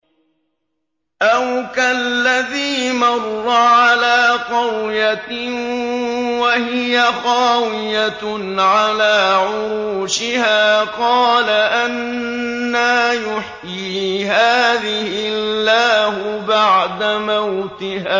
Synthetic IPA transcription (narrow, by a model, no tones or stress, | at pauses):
ʔawkallːaðiːmɑrˤːɑʕalaːqɑwja | wahɪjaɣɑːwɪja | ʕalaːʕʊɾuuːʃɪhaːqɑːlaʔanː | aːjʊħjiːɦaːðɪhɪalːaːhʊbaʕd̪amawt̪ɪhaː